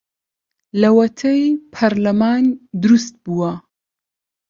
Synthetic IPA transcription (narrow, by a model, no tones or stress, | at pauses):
lɐwɐt̪ʰɐjpʰɐɾlɐmaːnd̪ɨɾust̪̚buwɐ